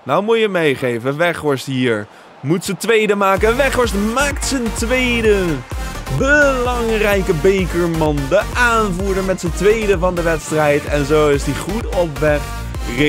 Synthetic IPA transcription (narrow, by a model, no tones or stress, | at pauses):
nawmujəmejχejvəʋɛχʋɔɹstɦiːɹ | mutsətʋejdəmaːkəəʋɛχʋɔɹstmaːktsəntʋejdə | bəlɑŋrɛjkəbejkəɹmɑndəʔaːnvuːɹdəɹmɛtsəntʋejdəvɑndəʋɛtstrɛjtɛnzowɪsdiχutɔpʋɛχ | rɪ